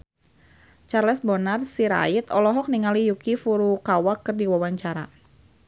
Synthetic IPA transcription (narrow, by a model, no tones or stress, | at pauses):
t͡ʃarlɛsbɔnarsiɾa̰it̪ɔlɔɦɔk̚niŋalijukifuɾukawakɨrdiwawaɲt͡ʃaɾa̰